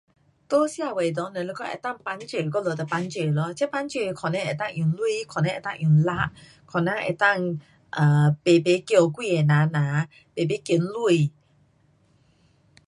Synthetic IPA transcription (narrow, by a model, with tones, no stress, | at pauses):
t̪o˦sja˥˧˨we˨˩˨d̪ɔ˧˦nə˨lo˧˦kɔ˥˦˨ʔɛ̰˨t̪a˥˨ŋpa˧˦nt͡ɕə˨˩kɔ˧˦˨lo˨t̪ə˨˩pa˧˦nt͡ɕə˨˩lɔ˧˦t͡ɕʰɛ˦pa˧˦nt͡ɕə˨˩kʰɔ˨˩nɛ̃˧˨ʔɛ˨t̪ã˥˨ŋʔjũ˨˩ŋlu˦˧i˨kʰɔ˨nɛ̃˧˦ʔɛ˨t̪a˥˨ʔjũ˨˩˨ŋla˧˦ʔ | kʰɔ˨˩nã˧˨ʔɛ̰˨t̪a˥˨ŋ | ʔəː˨˩be˨be˨˦kjo˧˨kwi˥˨e˨˩nã˨˦nã˨˦ | be˨be˨˦kji˧˩nlu˧˩˨